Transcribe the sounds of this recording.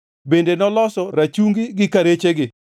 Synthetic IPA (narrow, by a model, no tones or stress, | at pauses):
bendenɔlɔsɔɾat͡ʃuŋɡiɡɪkaɾet͡ʃeɡɪ